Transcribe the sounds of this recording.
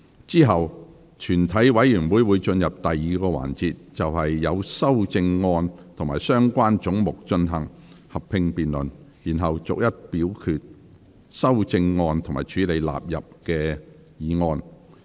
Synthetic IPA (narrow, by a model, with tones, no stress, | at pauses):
t͡siː˥ɦɐ˨w | t͡ʃʰyː˨˩nt̪ʰɐ˨˥jwɐ˨˥jyː˨˩nwuː˨˥jwuː˨˧jt͡ʃɵ˧njɐ˨p̚t̪ɐ˨jːiː˨kɔː˧wa̰ː˨˩nt͡siː˨˧t̚t͡sɐ˨whɐ˨jːɐ˨˧wsɐ˥wt͡sɪ˧ŋːɔː˧nt̪ʰʊ˨˩ŋmaː˨˩jsœː˥ŋkʷaː˥nt͡ʃʊ˨˥ŋmʊ˨k̚t͡ʃɵ˧nɦɐ˨˩ŋ | hɐ˨ppʰɪ˧ŋpiː˨nlɵ˨njiː˨˩nɦɐ˨wt͡sʊ̰˨k̚jɐ˥t̚piː˨˥wkʰyː˨˧t̚ | sɐ˥wt͡sɪ˧ŋːɔː˧nt̪ʰŋma̰ː˨˩jt͡ʃʰyː˨˧˥le˨˧jla̰ː˨p̚jɐ˨p̚kɛː˧ | jiː˨˧ŋɔː˧n